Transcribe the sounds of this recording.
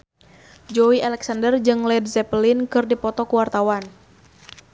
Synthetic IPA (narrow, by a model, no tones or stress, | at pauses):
d͡ʒɔwiʔalɛksandərd͡ʒɨŋlɛdzɛplɪnkɨrdipɔt̪ɔkuwart̪awan